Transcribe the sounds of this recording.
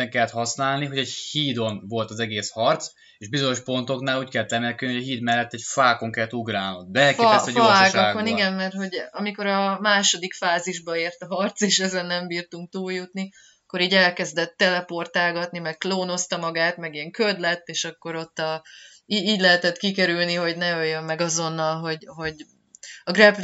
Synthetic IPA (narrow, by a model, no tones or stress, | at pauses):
ɛŋkɛlːɛt̪hɒsnaːlniɦo̞ɟɛɟhiːd̪o̞nvo̞lt̪ɒzɛɡeːshɒrt̪s | eːʒbizo̞ɲo̞ʃpo̞nt̪o̞knaːluːckɛlːɛt̪ɛmɛlkynihɟɒɦiːd̪mɛlːɛt̪ːɛcfaːko̞ŋkɛlːɛt̪uɡraːlnod̪bɛlkfɛsoaːkaːɡoniɡɛmːɛrt̪ho̞ɟɒmiko̞ɾɒmaːʃo̞d̪ikfaːziʒbɒeːrt̪ɒɦɒrt̪seːʃɛzɛnːɛmbiːrt̪uŋk̚t̪uːljut̪ni | ɒɒkːo̞ɾiːɟɛlkɛzd̪ɛt̪ːɛlɛpo̞rt̪aːɡɒt̪nimɛk̚kloːno̞st̪ɒmɒɡaːt̪mɛɡiɛŋkød̪lɛt̪ːeːʃɒkːo̞ɾo̞t̪ːɒ | iiːɟlɛɦɛt̪ɛt̪kikɛɾylniɦo̞ɟnɛøjːømːɛɡɒzo̞nːɒlɦo̞ɟɦo̞ɟ | ɒɡrɛpl